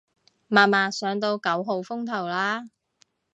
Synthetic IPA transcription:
maː˨˩maː˨sœː˨˥ŋt̪̬o˧wkɐ˨˥wɦo˨˧wfʊ˥ŋt̪ʰɐ˨˩wlaː˥

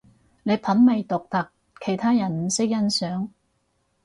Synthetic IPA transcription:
ne˨˧jpʰɐ˨˥nme˨˧jt̪ʊ˨k̚t̪ɐ˨k̚ | kʰe˨˩jt̪ʰaː˥jɐ˨˩nm̩˨˥sɪ˥k̚jɐ˥nsœː˨˥ŋ

